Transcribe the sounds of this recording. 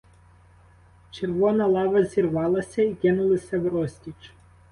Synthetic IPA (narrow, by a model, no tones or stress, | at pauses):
t͡ʃʲɪɾʋɔnɐlˠɑːʋɐzʲiɾʋɑːlˠɐsʲɛiɡʲɛnʊlˠɪsʲɛʋɾɔsʲt̪ʲit͡ʃ